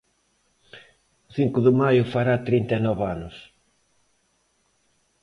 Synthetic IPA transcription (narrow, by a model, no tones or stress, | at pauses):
θiŋkʊðɪmajʊfaɾat̪ɾint̪aenɔβanʊs